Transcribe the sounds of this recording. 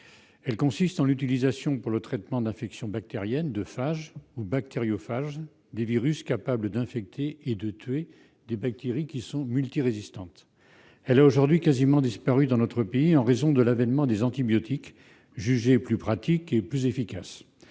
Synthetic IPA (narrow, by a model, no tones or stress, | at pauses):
ɛlkɔ̃sist̪ɑ̃lyt̪ilizasjɔ̃puʁlət̪χɛt̪mɑ̃d̪ɛ̃fɛksjɔ̃bak̚t̪eʁjɛnd̪əfaʒubak̚t̪eʁjofaʒ | d̪eviʁyskapabləd̪ɛ̃fɛk̚t̪ʰeːd̪ət̪ɥe | d̪ebak̚t̪eʁikʲisɔ̃mylt̪iʁezist̪ɑ̃t̪ | ɛlaoʒuʁd̪ɥikazimɑ̃d̪ispaʁyd̪ɑ̃nɔt̪χəpeiɑ̃ʁezɔ̃d̪əlavɛnmɑ̃d̪ezɑ̃t̪ibjɔt̪ik | ʒyʒeplypχat̪ikeplyzefikas